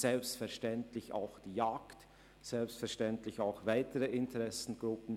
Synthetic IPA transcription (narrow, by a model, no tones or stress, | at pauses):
z̥ɛlpstfɛɐʃtɛntlɪça̰ʊxd̥iːjaːkt | z̥ɛlpstfɛɐʃtɛntlɪçaʊxvaɪtəʁəʔɪntʰəʁɛsn̩ɡ̥ʁʊpn̩